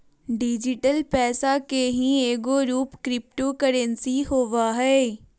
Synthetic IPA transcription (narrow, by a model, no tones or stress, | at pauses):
ɖid͡ʑɪʈəlpɛːsakeɦĩeːɡoɾuːpkɾɪpʈokɐɾənɪsiɦoːʋaɦɛː